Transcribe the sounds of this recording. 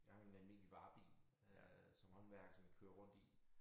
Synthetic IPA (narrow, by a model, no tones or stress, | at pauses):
jɑ̈hɑ̈e̝nælme̝̰ːliʋ̥ɑ̈ːb̥ḭː | sɒ̽mhɒ̽nʋæɐɡ̥sɒ̽mæ̥kʰøːɐʁɔ̽n̰d̥i